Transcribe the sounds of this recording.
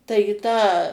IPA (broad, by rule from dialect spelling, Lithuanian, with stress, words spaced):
ˈtɐɪ iː ˈtɑː